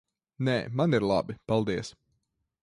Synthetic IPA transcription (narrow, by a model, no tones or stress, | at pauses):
nɛːmaniɾlˠa̰bipalˠd̪iɛs